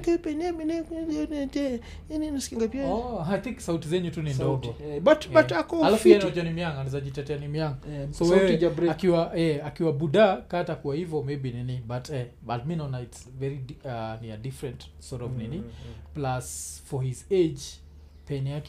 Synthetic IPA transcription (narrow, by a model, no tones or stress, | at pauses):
kɛpɛnɛminɛknɛɔnɛd͡ʒɛ | ininaskiŋɡapiaɔajt̪ĩŋksautizɛɲutunindɔɡɔbatbaakɔalafɛtɔd͡ʒɔnimjaŋɡanizaʄitɛtɛanimjaŋɡasɔwaɛakiwajɛakiwabudakaːtakuwahivɔmebininibatʰɛ | bat̚minaɔnaitsvɛɹianiadifɾɛ̃nt | sɔɾɔvniniplasfɔhized͡ʒ | pɛniak